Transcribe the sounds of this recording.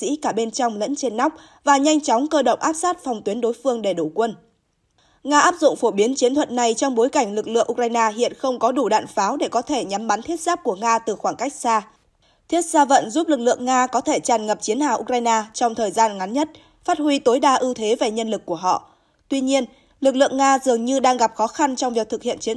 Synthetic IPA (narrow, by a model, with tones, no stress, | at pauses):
ḭ˧˥kaː˧˩ɓe˧nt͡ɕɔ˧wŋ͡mlə̰˧˥nt͡ɕe˧nːa˦˥wk͡p̚ | vaː˨˩ɲa˧jŋ̟t͡ɕɔ˨˦wŋ͡mkəː˧ɗə̰˧˨wŋ͡mʔaː˦˥p̚saː˦˥t̚fɔ˨˩wŋ͡mt̪wi˨˦nɗo˨˦jfɨ˧əŋɗe˧˩ɗo˧˩kwə˧n | ŋaː˧ʔaː˦˥p̚zʊ̰˧˨ŋ͡mfo˧˩ɓi˨˦ənt͡ɕi˨˦ənt̪ʰwə̰˧˨t̚na˨˩jt͡ɕɔ˧wŋ͡mɓo˨˦jka˧˩jŋ̟lɨ˨˩k̚lɨ̰˧˨əʔu˧k̚za˧jnaː˧ɦḭ˧˨ənxə˧wŋ͡mkɔ˨˦ɗu˧˩ɗa̰ː˧˨nfaː˨˦wɗe˧˩kɔ˨˦t̪ʰe˧˩ɲa˨˦mɓa˨˦nt̪ʰi˦˥ət̚z̥aː˦˥p̚ku˧˩əŋaː˧t̪ɨ˨˩xwaː˧˩ŋka˦˥jk̚saː˧ | t̪ʰi˦˥ət̚z̥aː˧və̰˧˨nzu˦˥p̚lɨ˨˩k̚lɨ̰˧˨əŋaː˧kɔ˨˦t̪ʰe˧˩t͡ɕaː˨˩nŋə˨˩p̚t͡ɕi˨˦ənha̰ː˧˩ʔu˧k̚ɾzaː˧jnaː˧t͡ɕɔ˧wŋ͡mt̪ʰəː˨˩jzaː˧nŋa˨˦nɲə˦˥t̚ | faː˦˥t̚hwi˧t̪o˨˦jɗaː˧ʔɨ˧t̪ʰe˨˦ve˨˩ɲə˧nlɨ˨˩kːu˧˩əɦɔ̰˧˨ | t̪wi˧ɲi˧ən | lɨ˨˩k̚lɨ̰˧˨əŋaː˧zɨ˨˩əŋɲɨ˧ɗaː˧ŋɣa˨˩p̚xɔ˨˦xa˧nt͡ɕɔ˧wŋ͡mvi˨˩ət̪ɨ˨˩k̚hḭ˧˨ənt͡ɕi˨˦